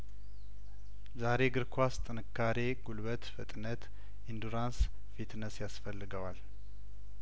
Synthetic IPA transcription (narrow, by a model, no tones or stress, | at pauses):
zaɾe̞ɡɨɾkʰʷast̪ʼɨnɨkʰːaɾe̞ɡulbət̪fət̪ʼnət̪ | ʔind̪uɾans | fit̪nəsjasfəlːɨɡəwal